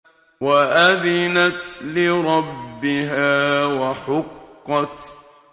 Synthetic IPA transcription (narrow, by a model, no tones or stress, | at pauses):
waʔaðɪnat̪lɪɾˤɑbːɪɦaːwaħʊqːɑt̪